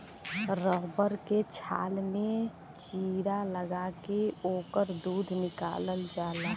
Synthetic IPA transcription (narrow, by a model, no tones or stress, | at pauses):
ɾɔɦbəɾket͡ʃʰa̰ːlmẽ | t͡ʃiːɾaləɡakeoːkəɾd̪uːd̪ʱnɪka̰ːləld͡ʒaːlaː